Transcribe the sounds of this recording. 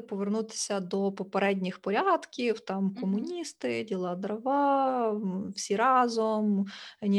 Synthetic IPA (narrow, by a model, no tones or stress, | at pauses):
pɔʋernut̪ɪ̥sʲɐd̪ɔpɔpeɾɛdʲnʲɪxpɔɾʲɑd̪kʲiwt̪ɑmkɔmʊnʲist̪ɪdʲilˠɑd̪ɾɐʋɑ | wsʲiɾɑzɔmnʲ